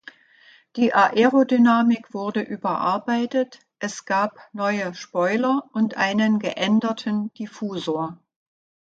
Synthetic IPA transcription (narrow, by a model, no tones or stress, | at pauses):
d̥iːʔaʔɛʁodynaːmɪkv̥ʊɐdəʔyːbɐʔa̰ɐbaɪtət | ʔɛsɡ̥aːpnɔʏəʃpɔʏlɐʔʊntʔaɪnənɡəʔɛndɐtʰənd̥ifuːzoːɐ